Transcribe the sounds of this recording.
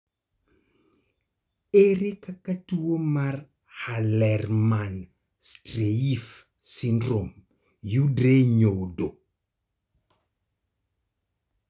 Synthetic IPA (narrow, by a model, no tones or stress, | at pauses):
ʔeɾikakːatuwomaɾ | halɛrman | stɾeif | sindɾɔm | judɾeɲowdo